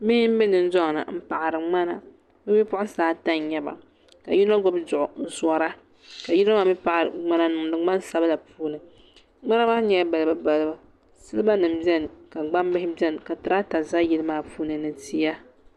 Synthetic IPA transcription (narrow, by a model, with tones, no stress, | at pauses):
mɪ˦hɪ˦m̩˦bɛ˦nɨ˨n˦zɔ˦ŋ˨nɨ̰˨m̩˦pa˨ʔa˨ɾɨ˨ŋ͡ma˦na˦ | bɛ˦bi˦pʊ˦ʔʊ˦saː˦ta˦ɲ˨ɲɛ˦ba̰˨ | ka˨ji˦nɔ˦ɡɔ˦bdʊ˨ʔʊ˨n̩˦swɔ˦ɾa˦ | ka˨ji˦lmaː˦bɛ˦pa˨ʔa˨ɾɨ̰˨ŋ͡ma˦na˦nʊ˨ŋnɨ˦ŋ͡ma˦n˦sa˦bla˨pʰuː˦nɨ˨ | ŋ͡ma˦na˦maː˦ɲɛ˨˦ba˨lba˦ba˨lba˨ | sɨ˦lɨ˦ba˦nɨ˨m˨bɛ˦n˨ka˨ɡ͡ba˦mbɪ˦ɦɪ˦bi˦ɛ˦n˨ka˨tɨ˨ɾa˦ta˨za˦ji˦lɨ˦maː˦puː˦nɨ˨nɨ˦ti˦ja˦